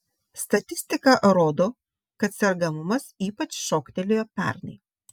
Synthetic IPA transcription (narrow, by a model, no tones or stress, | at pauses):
st̪ɐt̪ʲɪsʲt̪ʲɪkɐʔɾoːd̪oː | kɐt̪sʲɛɾɡɐmʊmɐsiːpɐt͡ʃʃoːkt̪ʲɛlʲɪjoːpʲæ̰ɾnɐ̰ɪ